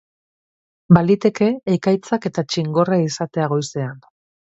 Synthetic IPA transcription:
balit̪e̞ke̞ːkajt͡sake̞t̪at͡ʃiŋɡo̞raisat̪e̞aɣ̞o̞jse̞an

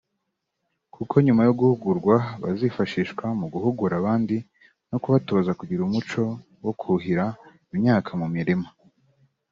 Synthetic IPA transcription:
kʰukʰo̞ɲumajoɡuhuɡuɾɡwaβa̰zifaʃiːʃkwamuɡuhuɡuɾaβaːndi | nokuβatozakuɟiɾumut͡ʃo̞ | wokʰuɦiɾa | imɲaːkʰamumiɾima

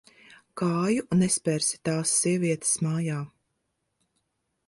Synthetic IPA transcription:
kaːjunespɛɾsi̥t̪aːsːiɛviɛt̪ɨ̥smaːjaː

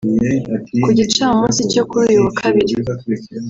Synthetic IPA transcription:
kuɟit͡ʃaumũːsicokuuɾiuwakʰaβiɾi

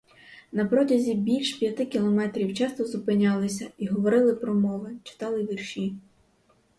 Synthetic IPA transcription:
nɐpɾɔdʲɐzʲibʲilʲʃpʲjɐt̪ɪkʲilˠɔmɛt̪ɾʲiwt͡ʃɑst̪ɔzʊpɪnʲɑlˠɪsʲɐiɦɔʋɔɾɪlˠɪpɾɔmɔʋɐt͡ʃɪ̥t̪ɑlˠɪʋʲirʃʲi

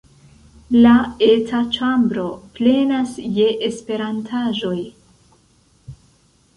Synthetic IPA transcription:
lae̞tʰat͡ʃambɾo̞ple̞nasje̞ʔespe̞ɾantʰaʒo̞j

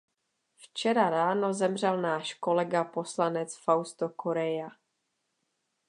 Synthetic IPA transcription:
ft͡ʃɛɾaɾaːno̞zɛmr̝ɛlnaːʃko̞lɛɡapo̞slanɛt͡sfawst̪okoɾɛja

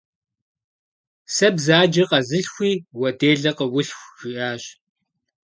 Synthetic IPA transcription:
sɐbzaːd͡ʒɐqɐzɨɬxʷiːwɐdeːɮɐqəwʊɬxʷʒ̥iʔaːɕ

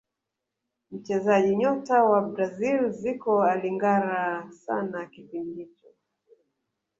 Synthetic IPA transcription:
m̩t͡ʃɛzaʄiɲɔtawabɾazilzikɔaliŋɡaɾasa̰nakipindit͡ʃɔ

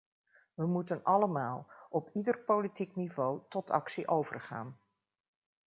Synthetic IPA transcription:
ʋəmutənɑləmaːlˠɔpidərpowlitiknivowtɔtʰɑ̰ksiʔowvə̰rχa̰ːn

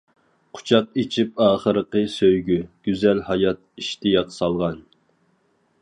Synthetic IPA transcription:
qʰʊ̥t͡ʃʰɑt̪̚it͡ʃʰip̚ɑːχəɾəqəsøjɡʲyɡ̥ʲyzɛlhɑjɑt̪̚iʃt̪ijɑqsɑlˠʁɑn

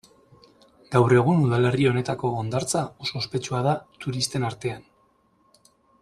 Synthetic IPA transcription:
ɡawre̞ɣ̞unuð̞ale̞rio̞ne̞t̪ako̞ːnd̪aɾt͡sao̞so̞ːspe̞t͡ʃuað̞at̪uɾist̪e̞naɾt̪e̞an

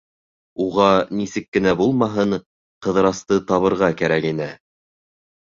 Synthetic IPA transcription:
uʁɑnisɘkːɘ̆næbulˠmɑɦɤɴ | qɤ̆ðɤ̆ɾɑst̪ɤt̪ɑβɤ̆ɾʁɑkæɾækinɘ

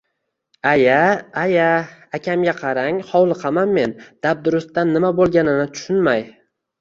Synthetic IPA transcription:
ajaːjaakʲʰamɡʲaqʰɑɾaŋhɒwlˠɨqʰɑmanme̞nd̪̥ab̚d̪ʊɾʊst̪ːanːɪmabolˠɡʲanɪnɪt̪ʰʊ̥ʃʊnmaj

